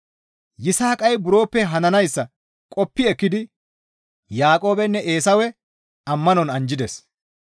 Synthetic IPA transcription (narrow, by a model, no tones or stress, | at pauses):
jɪsaːkʼɐjbʊɾo̞ːpːɛɦɐnɐnɐjsːɐ | kʼɔpːɪɛkːɪd̪ɪ | jaːkʼo̞ːbɛnːɛʔe̞ːsɐwɛ | ɐmːɐnɔnɐnd͡ʒɪd̪ɛs